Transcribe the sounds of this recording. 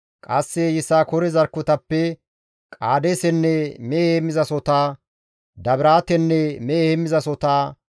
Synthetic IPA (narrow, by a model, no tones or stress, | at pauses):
kʼɐsːɛjɪsaːkɔɾɛzɐɾkːɔt̪ɐpːɛ | kʼaːd̪eːsɛnːɛmeːhemːɪzɐsɔt̪aː | d̪ɐbɪɾaːt̪ɛnːɛmeːhemːɪzɐsɔt̪aː